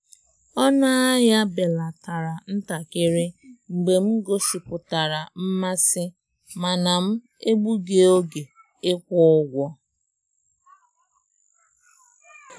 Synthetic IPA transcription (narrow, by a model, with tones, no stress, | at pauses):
ɔ˦na˦a˦ja˦be˨la˨ta˨ɾa˨n̩˦ta˨kɪ˦ɾɪ˦ŋ͡m̩˨ɡ͡be˨m̩˦ɡo˦ʃi˨pʊ˨ta˨ɾa˨m̩˦ma˦sɪ˦ | ma˨na˨m̩˦ | e˦ɡ͡bu˦ɡe˦o˦ɡe˨ | e˦kʷɔ˦ʊ˦ɡʷɔ˦